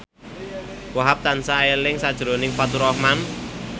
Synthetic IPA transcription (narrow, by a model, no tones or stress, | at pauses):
waɦap̚t̪ansaelɪŋsad̥ʒ̥ɾo̤nɪŋfat̪uɾɔhman